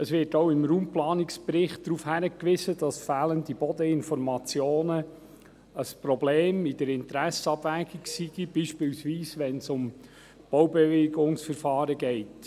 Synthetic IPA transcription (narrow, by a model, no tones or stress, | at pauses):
əsʋɪːtoʊɪmɾuːmplɑːnɪksb̥ɾɪχt̚d̥ɾuːfhæɾəkʋɪzəd̥ɑsfæːləndibɔd̪əɪnfɔɾmɑt͡sjoːnə | əspɾɔbleːmid̥əɾɪntɾæsɑbvæːɡ̥iksiɡ̥ibiːʃpɪːlsviːsʋɛnsʊm | b̥owbɛveɡʊŋsfəɾfɑːɾəɡɛɪt